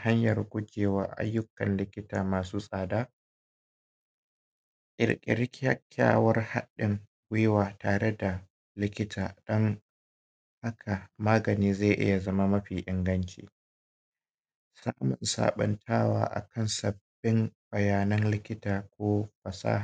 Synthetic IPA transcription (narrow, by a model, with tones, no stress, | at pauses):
ha˦ɲjɐ˨rɡʷʊ˦d͡ʒʲeː˨wa˦˨ʔa̰˦jːʊ˦kɐ˨nlɪ˦kʲɪ˦taː˨maː˨suː˦sʼaː˨daː˦ | kʼɪ̰˨ɾkʲʼɪ̰˨ɾɪ˦kʲjɐ˦kʲʰːa̰ː˦˨wɐ˦rha˦ɗɪ˨ŋ | ɡʷɪ˦jwaː˨taː˨ɽe˦da˨ | lɪ˦kʲɪ˦tʰaː˨ɗɔ˦ŋ | ha˦kʰa˨maː˦ɡɐ˨niː˦za˦˨ʔɪ̰˦ja˨zɐ˦ma˦mɐ˦ɸiː˨ʔɪ˨ŋɡɐ˦nt͡ʃḭː˨ | saː˦mʊ˨nsa̰ː˨ɓɐ̰˨˦ntʰaː˦wa̰ː˦ʔa̰˨kʰɐ˦nsɐ˨b̥ːɪ˦mb̥ɐ˨jaː˨nɐ˦nlɪ˦kʲɪ˦taː˨kʷoː˦ɸɐ˨sa̰ː˦ha˨